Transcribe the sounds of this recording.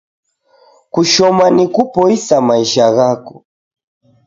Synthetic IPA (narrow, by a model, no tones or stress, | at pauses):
kuʃɔmanikupɔisamaiʃaɣaku̥